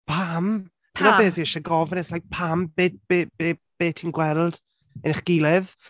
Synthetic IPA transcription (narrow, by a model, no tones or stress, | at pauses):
pʰam | d̥ɪmɔbeːviːɛʃɛɡɔvnɛsaj̚pʰambedbebeːb̥eːtʰiːnɡwɛrd̥ | ɛnɪχɡ̥ɪlˠɛð